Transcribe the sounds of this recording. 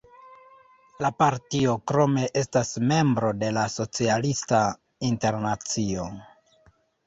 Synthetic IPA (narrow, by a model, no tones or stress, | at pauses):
lapaɾtio̞kɾo̞me̞ʔe̞stasme̞mbɾo̞de̞laso̞t͡sialista | inte̞ɾnat͡sio̞